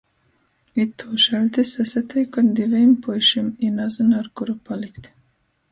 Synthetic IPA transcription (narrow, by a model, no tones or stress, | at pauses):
it̪ʰːuːʃɛlʲt̪isɛsat̪ɛjkand̪ivɛjmpɔjʃiminazanaɾkuɾupalikt̪